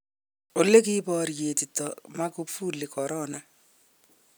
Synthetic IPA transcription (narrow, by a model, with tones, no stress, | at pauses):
o˨lːe˦kibɔ˦ɾje˨ti˨tːɔma˦ku˦pfu˦lːe˨kɔɾɔna˨